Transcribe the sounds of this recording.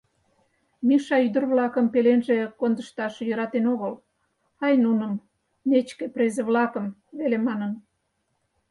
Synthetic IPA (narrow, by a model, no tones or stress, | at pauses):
miʃɑyd̪ə̆rβlɑkəmpelenʒekond̪əʃt̪ɑʃjəɾɑt̪enoɣəl | ɑjnunəm | net͡ɕkeprezeβlɑkəmβelemɑnən